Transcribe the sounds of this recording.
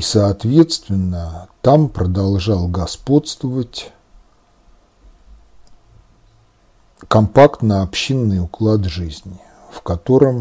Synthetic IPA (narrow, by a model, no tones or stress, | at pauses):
isəːt̪vʲe̞t̪st̪vʲɪnːət̪ampɾəd̪ɐlˠʐalˠɡɐspo̞t̪st̪vəvətʲ | kɐmpakt̪nəɐpɕinːɨjʊklˠad̪ʐɨzʲnʲɪ | fkɐt̪o̞ɾəm